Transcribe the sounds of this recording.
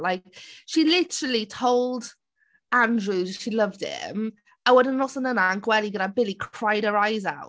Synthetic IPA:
laɪk̚ʃilɪtʰəɹəlˠitʰoʊlˠd | ãndɹuzʃilʌvd̥ɪ̰m | əwədənɔsənənaənɡwɛlˠiɡəɾabɪlikʰɹ̥aɪd̚əɹaɪzawt

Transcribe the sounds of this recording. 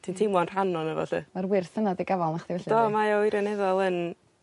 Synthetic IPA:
tʰiːntʰimwɔnr̥anɔnəvɔ̰ɬɨ̰marwɪrθənadiɡavɔlˠnaχðivɛɬdɔmajoiɾjanɛðɔlˠən

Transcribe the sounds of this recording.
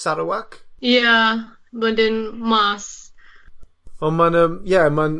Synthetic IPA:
saɹəwakja | bədə̃nmas | ɔmãnəmjamãn

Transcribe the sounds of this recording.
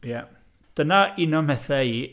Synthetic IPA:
jɛ | d̥ənainɔmhɛθɛi

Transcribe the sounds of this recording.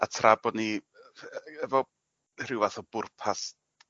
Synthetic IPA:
a̰tʰrabɔni | ɛvɔ | rɪwvaθɔb̥ʊrpʰas

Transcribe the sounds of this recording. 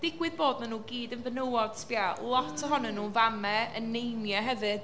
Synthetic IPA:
d̥ɪɡwɪðboːdnanuːɡiːdənvənəwɔd̥sb̥jalˠɔtʰɔɦɔnɛnːuːnvamɛənːejnjaɦɛvɨd̥

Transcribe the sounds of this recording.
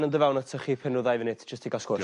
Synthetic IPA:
nəndəvɛwnətʰəχipʰɪnrʊðajvənɪtʰd͡ʒ̥əstʰiɡaskɔɾ

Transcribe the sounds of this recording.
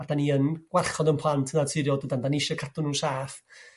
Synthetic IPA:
ad̥aniənɡ̥warχɔdənpʰlˠantʰənatʰɪɾjɔdədandanɪʃɔkʰatʰʊnuːsaːf

